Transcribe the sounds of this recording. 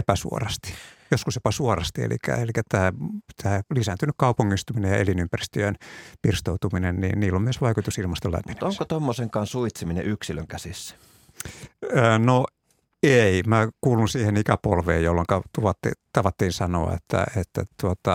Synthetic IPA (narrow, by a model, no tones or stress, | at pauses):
epæsṵo̰rɑst̪i̥joskusjopɑsuorɑst̪iḛlḭkæ̰elikæt̪æːt̪ʰæːlisænt̪ynykkɑupuŋːist̪uminejjɑ̰ḛlinympærist̪øønpirst̪out̪uminennḭːnniːlːomyøsʋɑikut̪usilmɑst̪olæ̰mmːinneoŋkot̪omːoseŋkɑːnsuit̪siminḛʔyksilø̰ŋkæsisːæ̥ | no | eimækuːlunsiːhenikæpolʋḛːjjolːoŋkɑt̪uʋɑt̪ːḭt̪ɑʋɑt̪ːiːnsɑno̰ɑ̰ḛt̪ʰːæ̰et̪ːæ̰t̪uot̪ɑ